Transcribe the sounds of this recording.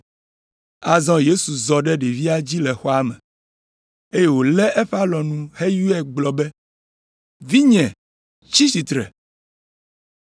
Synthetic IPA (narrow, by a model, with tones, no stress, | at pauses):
a˨zɔ̃˦je˦su˨zɔ˨ɖɛ˦ɖe˨vi˦a˦d͡ʑi˦lɛ˨xɔ˦a˦mɛ̰̃˨ | e˦je˦wo˨lɛ˦ʔɛ˦ɸa˦lɔ˨nũ˦he˦ju˦ɛ˦ɡ͡blɔ˨bɛ˦ | vi˦ɲɛ̃˨ | t͡ɕi˦si˨t̪ɾɛ̰˨